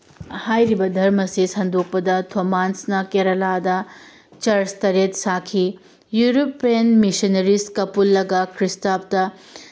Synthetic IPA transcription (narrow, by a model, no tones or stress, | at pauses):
hajɾibɐdʱɐɾmɐsisɐndok̚pɐdɐtʰomansnɐkeɾɐladɐ | t͡ʃɐɾstɐɾet̚sakʰi | juɾopːiɐnmisɐnɐɾiskɐpulːɐɡɐkʰɾistap̚tɐ